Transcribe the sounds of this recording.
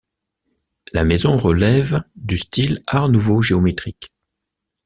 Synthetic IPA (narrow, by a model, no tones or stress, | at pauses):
lamɛzɔ̃ʁəlɛvd̪yst̪ilaʁnuvoʒeɔmet̪χik